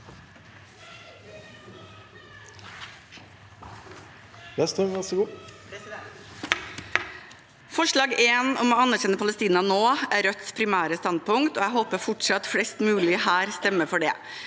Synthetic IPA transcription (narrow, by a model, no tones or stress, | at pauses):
jɛst̪ɛmɔsɡuː | fɔʂɭɑːɡeːnɔmoːɑnːæɾçɛnːəpʰɑləst̪iːnɑnoːæːɾœt̪spʰɾɪmæːɾəst̪ɑnd̪̚pʊŋkt̪oːæɦoːpəfɔʈʂɑt̪fɽɛst̪mʉːlɪəhæːɾst̪ɛmːəfɔɖḛː